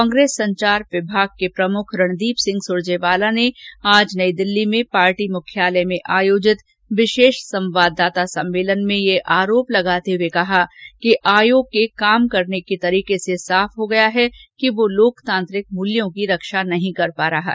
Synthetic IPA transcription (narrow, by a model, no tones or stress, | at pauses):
kɔ̃ːŋɡɾeːsːɐ̃ɲt͡ʃaːɾʋɪbʱaːɡ̚kepɾɐmʊkʰɾɐɳ̃d̪iːpsɪ̃ŋɡsʊɾd͡ʒeːʋaːlaneaːd͡ʒnɐid̪ɪlːimẽpaːɾʈimʊkʰjaːləmẽʔaːjoːd͡ʒɪt̪ | ʋɪʃeːʃsɐ̃mʋaːd̪ːaːt̪asɐ̃mːeːlənmẽjeʔaːɾoːplɐɡaːt̪ewekɐɦakiʔaːjoːɡ̚kːekaːmkɐɾnekit̪ɐɾiːkesesaːfɦoɡɐjaɦɛkiʋoloːkt̪ãːnt̪ɾɪk̚mʊljõkiɾɐkʃanɐɦĩkɐɾpaːɾɐɦa̰